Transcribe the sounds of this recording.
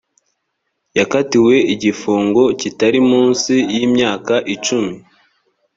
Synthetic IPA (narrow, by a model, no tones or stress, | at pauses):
jakatiwe̞iɟifuːŋɡo̞citaɾimuːnsijimɲaːkaʔit͡ʃumi